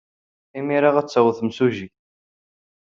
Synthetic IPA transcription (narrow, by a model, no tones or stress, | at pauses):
imiɾaʁæt͡sːæwθmsuʒi